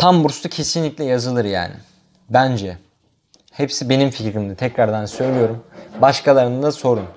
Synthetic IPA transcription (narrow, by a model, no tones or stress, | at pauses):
t̪ʰambuɾst̪acʰe̞sinlʲiclʲɛjazɯlˠɯɾja̰ːnɪ̰ | bænd͡ʒɛ | hepsibe̞nimficɾimd̪at̪ʰɛcɾaɾd̪ansø̞jlʲijo̞ɾumbaʃkʰalˠaɾɯnɯd̪aso̞ɾun